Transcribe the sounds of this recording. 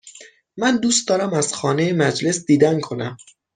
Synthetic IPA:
mænd̪uːst̪̚d̪ɒːɾæmæz̥xɒːne̞jemæd͡ʒle̞sd̪iːd̪ænkʰo̞næm

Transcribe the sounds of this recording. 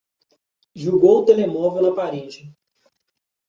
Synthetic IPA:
ʒuɡowt̪elemɔvewnɐpaɾed͡ʒɪ

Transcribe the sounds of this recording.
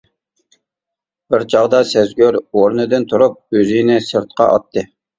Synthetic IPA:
b̥ɪɾt͡ʃʰɑʁd̪ɑsɛzɡʲøɾoɾnɨd̪ɨnt̪ʰuɾup̚øzinɪsɨɾt̪̚qʰɑ̰ʔɑ̰t̪ʰːɨ

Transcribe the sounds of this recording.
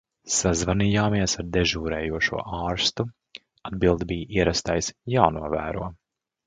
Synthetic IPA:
sazvaniːjaːmiɛsaɾd̪ɛʒuːɾɛːjuɔʃṵɔʔɑːɾst̪u | ad̪bilˠd̪bijiɛɾast̪ajsjaːnuɔvæ̰ːɾṵɔ

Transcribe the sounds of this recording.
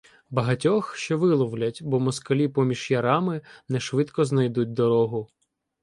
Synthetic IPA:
bɐɦɐtʲɔxʃt͡ʃɔʋɪlˠɔwlʲɐtʲbɔmɔskɐlʲipɔmʲiʒjɐɾɑmɪnɛʃʋɪt̪kɔznɐjd̪ut̚ʲd̪ɔɾɔɦʊ

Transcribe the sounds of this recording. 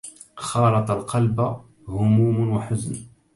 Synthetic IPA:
xɑːlɑt̪ˤɑlqɑlba | hʊmuːmʊnwaħʊzn

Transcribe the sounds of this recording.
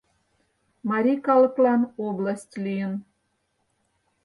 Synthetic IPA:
mɑɾʲikɑlˠɤ̆klˠɑnoblˠasʲtʲlʲijən

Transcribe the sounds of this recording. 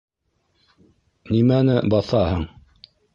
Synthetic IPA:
nimænɘbɑθɑhɤɴ

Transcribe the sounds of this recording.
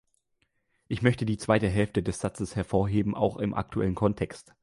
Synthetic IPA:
ʔɪçmœçtədiːt͡sv̥aɪtəɦɛlftədɛsz̥at͡səshɛɐfoːɐɦeːbm̩ʔa̰ʊxɪmʔa̰k̚tʰuʔɛ̰lənkʰɔntʰɛkst

